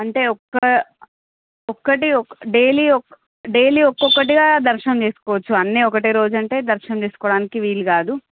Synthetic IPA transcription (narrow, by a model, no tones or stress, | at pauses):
ɐɳʈe̞ːɔkːɐ | ɔkːɐʈiɖeːliːɔk | ɖe̞ːliːɔkːɔkːɐʈ̬iɡaːd̪ɐɾʃɐnɐmt͡ʃe̞ːsu̥kɔːʋɐt͡ʃːuɐnːiɔkɐʈiɾo̞ːd͡ʒuɐɳʈe̞ːd̪ɐɾʃɐnɐmt͡ʃe̞ːsu̥kɔːɽaːnikiʋiːlːuɡaːd̪u